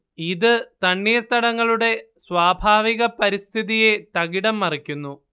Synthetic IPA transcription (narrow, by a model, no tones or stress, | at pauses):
iðɨt̪ɐɳːiːrt̪ɐɽɐŋːɐɭuɽe̞ | swaːbʱaːʋiɣɐpɐɾist̪ʰiðije̞t̪ɐɣiɽɐmːɐrikʲːunːu